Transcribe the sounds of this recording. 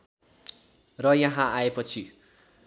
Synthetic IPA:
rʌjʌɦãaepʌt͡sʰi

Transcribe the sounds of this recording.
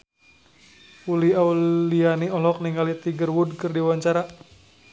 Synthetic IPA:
uliaulianiɔlɔk̚niŋalit̪iɡərwud̚kɨrdiwaɲt͡ʃaɾa

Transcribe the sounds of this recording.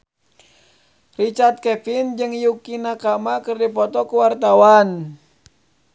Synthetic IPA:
rit͡ʃart̪̚kɛfind͡ʒɨŋjukinakamakɨrdipɔt̪ɔkuwart̪awan

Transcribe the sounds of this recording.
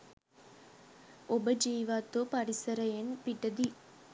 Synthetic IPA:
obɐd͡ʒiːʋaːt̪opɐɾisɐɾɐjenpiʈːɐd̪i

